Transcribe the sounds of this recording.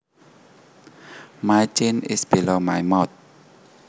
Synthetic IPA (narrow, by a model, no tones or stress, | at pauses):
majt͡ʃinisb̥ilɔma̰jmɔt̪̚